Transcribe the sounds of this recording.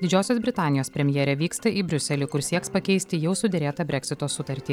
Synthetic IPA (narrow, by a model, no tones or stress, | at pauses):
d̪ʲɪd͡ʒʲoːsʲoːs̬bʲɾʲɪt̪ɑːnʲɪjoːspʲɾʲɛmʲjɛːɾʲɛʋʲiːkst̪ɐʔiːbʲɾʲʊsʲɛlʲɪkʊɾsʲiɛkspɐkʲɛɪsʲt̪ʲɪjɛʊsʊd̪ʲɛɾʲeːt̪ɑːbʲɾʲɛkʲsʲɪt̪oːsʊt̪ɐɾʲt̪ʲiː